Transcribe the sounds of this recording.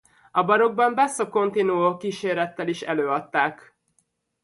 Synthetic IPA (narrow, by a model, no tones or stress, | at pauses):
ɒbɒɾo̞ɡ̚bɒmbɛsːoko̞nt̪inuokiːʃeːɾɛt̪ːɛliʃɛ̰løːɒt̪ːaːk